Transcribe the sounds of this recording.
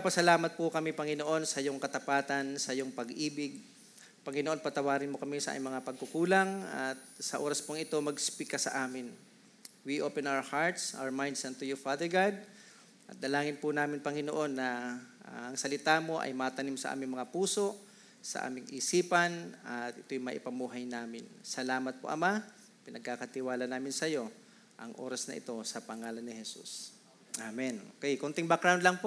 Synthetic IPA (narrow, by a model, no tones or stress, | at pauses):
pɐsɐlaːmɐt̪̚pʊkɐmɪpɐŋɪno̞ʔo̞nsɐjoŋkɐt̪ɐpaːt̪ɐnsɐjoŋpɐɡʔiːbɪɡ̚ | pɐŋɪnoʔo̞npɐt̪ɐwaːɾɪnmokɐmisɐʔa̰ːmnmɐŋapɐɡ̚kʊkuːlaŋɐt̪̚sɐʔo̞ːɾɐspoŋɪt̪o̞mɐɡspikɐsɐ̰ʔaːmɪn | wiʔoːpɛnʔawəhaɹt̪sʔa̰wɐɹmajnd̪sɐnt̪ʊjʊfaːd̪ɛɹɡad̪̚ | ʔɐt̪̚d̪ɐlaːŋɪnpʊnaːmɪnpɐŋɪnoʔo̞nːɐ | ɐŋsɐlɪt̪aːmo̞ʔɐ̰jmat̪ɐnimsɐʔa̰ːmɪŋmɐŋapuːso̞ʔ | sɐ̰ʔa̰ːmɪŋʔɪsiːpɐnɐt̪ʔɪt̪ojʊmaʔɪpɐmuːɦɐjnaːmɪnsɐlaːmɐt̪̚po̰ʔɐ̰ma | pɪnɐɡ̚kakɐt̪ɪwaːlɐnaːmɪnsɐjo̞ | ʔɐŋʔo̞̰ːɾɐsnɐʔɪ̰t̪o̞sɐpɐŋaːlɐnːɪhɛsṵs | amɛnʔo̰kɛjkont̪ɪŋbak̚ɾawnd̪lɐŋpo